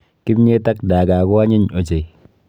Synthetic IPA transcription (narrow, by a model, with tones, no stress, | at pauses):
ki˦mɲe˦ta˦k̚daː˨kaː˨kɔ˦a˦ɲi˦ɲo˨t͡ʃe˨j